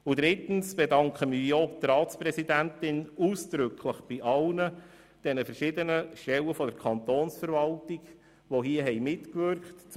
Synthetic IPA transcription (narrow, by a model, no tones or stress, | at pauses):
ʊd̥̪ɾɪtn̩sb̥ɛdɑŋkχəmɪjotrɑːtsprɛsidæntɪnuːsd̥ɾʏkʰləχb̥iʔɑlnə | d̥ɛnəfɛɾʃɪdənəʃtɛləfɔdəɾkʰɑnt̪oːnsfəɾvɑltiɡ | ʋoɦiəɦɛɪjmɪtkvʏɾkχtt͡s